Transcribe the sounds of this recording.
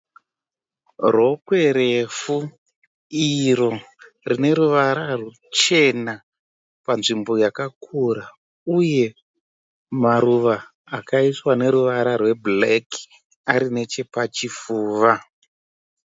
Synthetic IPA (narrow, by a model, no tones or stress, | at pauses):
ro̞kwe̞ɾefu | iɾo̞ | rine̞ɾuʋaɾaru | t͡ʃe̞na | panʐimbo̞jakakʰuɾa | uje̞ | maɾuʋaː | kaiswane̞ɾuʋaɾarwe̞bleki̥ | aɾine̞t͡ʃe̞pat͡ʃifuːʋa